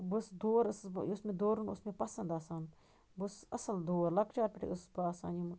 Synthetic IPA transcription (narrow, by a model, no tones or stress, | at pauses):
busd̪oːɾɨsʊsmẽd̪oːɾunʊ̰smẽpɐsɐnd̪aːsaːn | busɐsɐld̪oːɾlɐkt͡ʃaːɾpʲɪʈʰḛʊsbaːsa̰ːnim